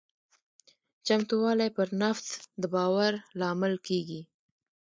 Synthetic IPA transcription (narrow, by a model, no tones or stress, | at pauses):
t͡ʃamt̪uwɑlajpəɾnaft̪d̪əbɑwaɾlɑmɪlkeɡi